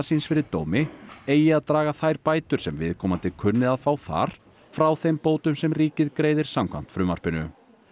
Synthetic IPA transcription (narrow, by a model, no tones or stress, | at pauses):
sinsfɪɾɪɾ̥t̪oːwmɪeːjɪaðt̪ɾaːɣaθajɾpaːjt̪ʏɾ̥sɛmvɪðkʰɔːmant̪ʰɪkʰʏnːɪðaðfawθa̰ɾ̥ | fɾawθejmpoːwt̪ʏmsɛmriːcɪðkɾeːjðɪɾ̥samkʰva̰m̥t̪fɾʏma̰r̥pɪnʏ̰